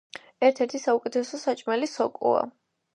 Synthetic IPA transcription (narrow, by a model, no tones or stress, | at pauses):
ɛɾt̪ʰɛɾt̪ʰisaukʼɛt̪ʰɛsɔsat͡ʃʼmɛlisɔkʼṵa̰